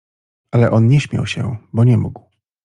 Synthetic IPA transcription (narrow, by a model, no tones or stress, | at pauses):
ʔalɛʔɔnɲɛɕmʲja̰wɕɛ̰bɔɲɛmuɡw